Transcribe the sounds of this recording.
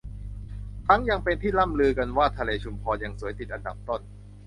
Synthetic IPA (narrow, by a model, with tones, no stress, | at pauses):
t̪ʰa˦˥ŋja˧ŋpe˧nt̪ʰiː˥˩la˥˩mlɯː˧ka˧nwaː˥˩t̪ʰa˧leː˧t͡ɕʰu˧mpʰɔː˧ja˧˩ŋsuː˩˦jt̪ʰi˨˩t̪̚ʔa˧nda˨˩p̚t̪o˥˩n